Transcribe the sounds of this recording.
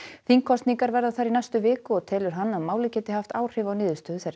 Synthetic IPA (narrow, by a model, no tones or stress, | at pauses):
θiŋkʰɔst̪niŋkaɾvɛɾðaθaɾinajst̪ʏvɪːkʏɔɣt̪ʰɛːlʏɾ̥ɦanːaðmaːwlɪcɛːt̪ɪhaft̪aːwr̥ɪːvawnɪːðʏst̪œːðʏθɛɾ